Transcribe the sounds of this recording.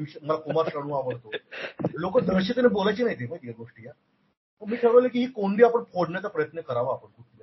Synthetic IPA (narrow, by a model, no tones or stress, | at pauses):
iɕməlakomaɾɕəɽ̃ũːaʋəɽt̪olokəd̪əɾɕet̪anebolajt͡ɕiːnaɦit̪emat̪ijaɡoʂʈija | əɳmiːt̪ʰeʋəʋlekiːɦiːkoɳd̪iːapəɳpʰoɽɳjat͡sapɾəjət̪nəkəɾaʋaːpəɳkʰuʈʰja